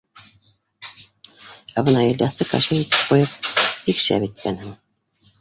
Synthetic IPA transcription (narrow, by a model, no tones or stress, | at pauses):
æbɤ̆nɑilʲd̪ɑsɤkɑ̰ʃinit̪ɘ̥p̚qojɤp̚ikʃæ̰βit̪̚kænhɘŋ